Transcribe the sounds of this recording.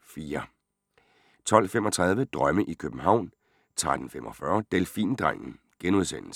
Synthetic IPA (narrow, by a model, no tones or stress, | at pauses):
fiːɐ | t͡sʰɒ̽l̰femɒ̽t͡sʰʁɑ̈ð̞ˠʋəd̥ʁɶməʔikʰøb̥m̩ɦɑ̈ʊ̰n | t͡sʰʁad̥n̩fem̰ʔɒ̽fɶɐd̥elfḭːnd̥ʁaŋ̰n̩ | ɡ̥enuð̞ˠsen̰l̩sə̥